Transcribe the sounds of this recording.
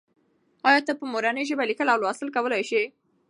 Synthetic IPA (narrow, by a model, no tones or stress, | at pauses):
ɑjɑt̪apəmoɾanəjʒəbalikəlawlwɑsɪlkawəlajʃi